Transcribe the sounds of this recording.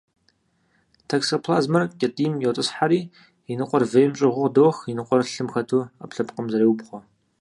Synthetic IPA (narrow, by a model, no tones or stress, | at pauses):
tʰɐksopʰlaːzmɐrkʲʼɐtʼiːmjowtʼɨsħaɾiː | inɨqʷʼɔrvejmt͡ʃʼɪʁʷʊdoːxinɨqʷʼɔrɬɨmxɐtʰua̰pɬɐpqʼəmzɐɾeːwʊbχʷɔ